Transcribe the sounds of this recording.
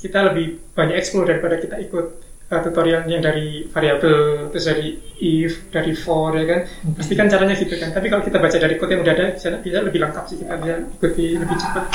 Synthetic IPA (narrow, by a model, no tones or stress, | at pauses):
kit̪aləbɪhb̥aɲakɛksklodaɾipadakit̪aikʊt̪̚ | ət̪ut̪oɾianjaŋdaɾifaɾiabəlat̪ʊsd͡ʒadiifd̥aɾifɔrjakanpast̪ikant͡ʃaɾaɲaɡit̪ukant̪apikalokit̪abat͡ʃadaɾikot̪jaŋudaɦadabisanabiasaləbɪlaŋkat̪sɪhkit̪abisaikut̪iləbɪht͡ʃə̥pat̪̚